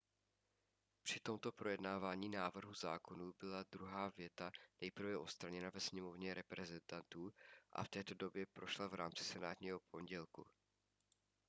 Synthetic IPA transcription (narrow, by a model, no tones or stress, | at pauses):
pr̥ɪt̪o̞mt̪o̞pɾo̞jɛdnaːvaːɲiːnaːvr̩ɦuzaːko̞nuːbɪlad̪ɾuɦaːvjɛt̪anɛjpr̩vɛʔo̞t̪st̪ɾaɲɛnavɛsɲɛmo̞vɲɛɾɛpɾɛzɛnt̪ant̪uːʔa̰ft̪ɛːt̪o̞do̞bjɛpɾo̞ʃlavɾaːmt͡sɪ̥sɛnaːt̪ɲiːɦo̞pʰo̞ɲɟɛlkṵ